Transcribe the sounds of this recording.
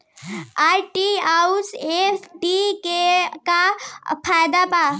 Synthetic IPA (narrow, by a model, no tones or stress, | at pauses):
aːjʈiausesʈikekapʰaːjd̪apaː